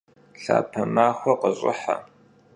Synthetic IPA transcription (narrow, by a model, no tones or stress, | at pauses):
ɬa̰ːpʰɐmaːxʷɔqəɕʼɪ̰ħa̰